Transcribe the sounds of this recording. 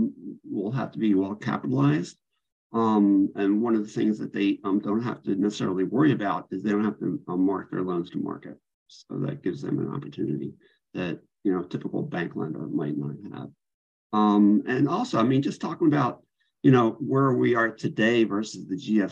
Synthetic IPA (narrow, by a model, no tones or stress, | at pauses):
wilˠɦæ̰ftəbiwɛlˠkʰæ̰pəɾl̩ˠaɪzd̥ | ʌ̃mɨ̃nwʌ̃nʌvðɨθɪ̰̃ŋzðɨt̪̚ðeɪʌ̃mdõʊ̃nt̚ɦæ̰ftɨnɛsə̥sɛ̰ɹl̩ˠiwɜ˞iɨbaʊɾɨzðeɾõʊ̃n̚hæftɨʌ̃mɑɹk̚ðə̰˞lõʊ̃nz̥tʰəmɑ̰ɹkɨt̚ | soʊðɨ̰t̚ɡ̥ɪvzðɨ̰̃mə̰̃nɑ̰pə˞tʰʉnɨɾḭ | ðɨt̚jɨnoʊtʰɪpəkl̩ˠbæ̃ŋklã̰ɪ̃ndə̰mãɪ̃nlã̰ɪ̃nə̰v̥ | ʌ̃mɨ̃nɔlˠsoʊaɪmĩnd͡ʒʌstʰɔkɪ̃ŋəbaʊt̚ | jɨnoʊwə˞wiə˞tʰɨdeɪvɜ˞sɨzðɨd͡ʒiɛf